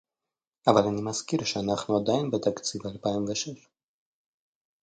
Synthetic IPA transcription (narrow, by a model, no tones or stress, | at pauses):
avalʲanimaskiɾʃɛanaχnuad̪ainbɛt̪ʰak̪t͡sʰivalpaɛmvɛʃɛʃ